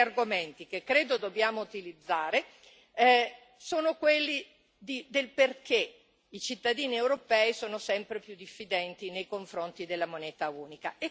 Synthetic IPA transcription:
arɡoment̪ikekːɾeːd̪od̪obːjaːmout̪ilid̪zːaːɾe | soːnokwelːi | d̪id̪elperke | it͡ʃit̪ːad̪iːniewɾopɛːisoːnosɛmpɾepjud̪ifːid̪ɛnt̪inejkoɱfɾont̪id̪elːamonɛːt̪auːnikae

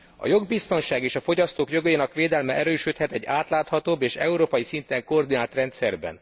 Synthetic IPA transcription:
ɒ̰jo̞ɡbist̪o̞nʃaːɡeːʃɒfoɟɒst̪oːkjo̞ɡøjinɒkʋeːd̪ɛlmɛʔɛɾøːʃøt̪hɛt̪ɛɟːaːt̪laːt̪hɒt̪oːbːeːʃɛuɾoːpɒjisint̪ɛŋkord̪inaːlt̪rɛnt̪sɛrbɛ̰n

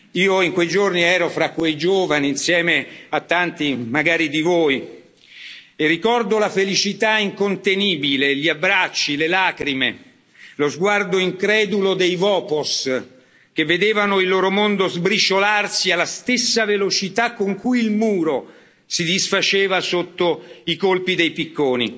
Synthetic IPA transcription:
iːoiŋkwejd͡ʒorniɛːɾofɾakːwejd͡ʒoːvaniːnsjɛːmeat̪ːant̪imaɡaːɾid̪ivoːj | erːikɔrd̪olafelit͡ʃit̪aiŋkont̪eniːbileʎiabɾat͡ʃːilelaːkɾime | lozɡward̪oiŋkɾɛːd̪ulod̪ejvɔːpos | k̟evːed̪eːvanoilːoːɾomond̪ozbɾit͡ʃolarsialːast̪esːavelot͡ʃit̪akːoŋkujilmuːɾo | sid̪isfat͡ʃeːvasot̪ːoikolpid̪ejpikːoːnḭ

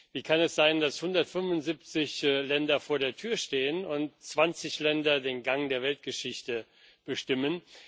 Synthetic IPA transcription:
viːkʰanɛsz̥aɪndashʊndɐtfʏnvʊntz̥ip̚t͡sɪçlɛndɐfoːɐɾeːɐtʰyːɐʃteːənʊntt͡sv̥ant͡sɪçlɛndɐdeːnɡaŋdeːɐvɛlt̚ɡ̥əʃɪçtə | b̥əʃtɪmən

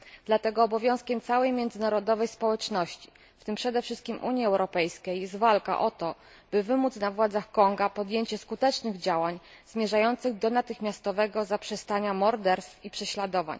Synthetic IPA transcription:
d̪̥lat̪ɛɡɔːbɔvʲjɔ̃skʲɛmt̪sawɛjmʲjɛnd̪zɘnaɾɔd̪ɔvɛjspɔwɛt͡ʂnɔɕt͡ɕi̥ | ft̪ɘmpʂɛd̪ɛfʂɘst̪̚kʲimʔṵɲjiɛwɾɔpɛjskʲejːɛst̪valka̰ʔɔt̪ɔ | b̥ɘvɘmut̪snavwad̪zaxkɔŋɡapɔd̪jeɲt͡ɕɛskut̪ɛt͡ʂnɘɣd͡ʑawaɲz̥mʲjɛʐajɔnt̪sɘɣd̪ɔnat̪ɘxmʲjast̪ɔvɛɡɔzapʂɛst̪aɲamɔɾd̪ɛɾst̪fipʂɛɕlad̪ɔva̰ɲ

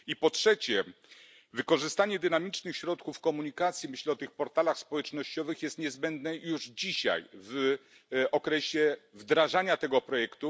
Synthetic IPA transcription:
ipɔtʂɛt͡ɕɛ | vɘkɔʐɘst̪aɲɛd̪ɘnamʲit͡ʂnɘxɕɾɔt̪kufkɔmuɲikat̪sʲjimɘɕlɛɔt̪ɘxpɔɾt̪alaxspɔwɛt͡ʂnɔɕt͡ɕɔvɘxjɛst̪ɲɛzbɛnd̪nɛjuʐd͡ʑiɕa̰jv | ɔkɾɛɕɛvd̪ɾaʐaɲat̪ɛɡɔpɾɔjɛkt̪u

